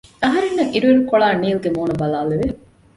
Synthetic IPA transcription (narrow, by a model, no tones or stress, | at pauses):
ɐɦɐɾenːɐŋʔiɾueɾukoɭaːniːlɡemoːnɐbɐlaːleʋe